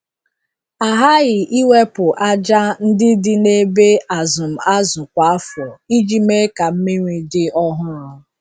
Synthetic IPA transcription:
a˨ɦa˦ɣɪ˨ʔi˦we˦pʊ˨ʔa˦d͡ʒa˦n̩˦dɪ˦dɪ˦ne˦be˦a˨zʊ˨m̩˨a˦zʊ˨kʷa˨a˦fɔ˨i˦d͡ʒi˦me˦ka˨m̩˦me˦ɲʷi˨dɪ˦ɔ˦ɦʊ˦ɾʊ˨

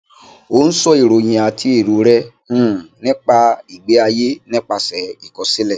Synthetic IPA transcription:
o˨˦n̩˦sɔ˦i˨ɾo˨j̃ĩ˧a˨tʰi˦e˦˨ɾu˨ɾɛ̃˦˨ | nĩ˦k͡pa˧i˨ɡ͡be˨˦a˧je˦nĩ˦k͡pa˧sɛ˨i˨kɔ˨˧si˦lɛ˦˨

